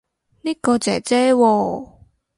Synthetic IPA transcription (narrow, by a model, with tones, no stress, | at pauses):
niː˥kɔː˧t͡sɛː˨˩t͡sɛː˦˥wɔː˧